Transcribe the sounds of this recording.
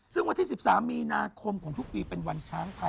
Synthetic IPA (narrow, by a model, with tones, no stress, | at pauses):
sɯ˥˩ŋwa˧nt̪ʰiː˥˩si˨˩p̚saː˩˦mːiː˧naː˧kʰo˧mkʰɔː˩˦ŋt̪ʰu˥k̚piː˧pe˧nwa˧nt͡ɕʰaː˦˥ŋt̪ʰa˧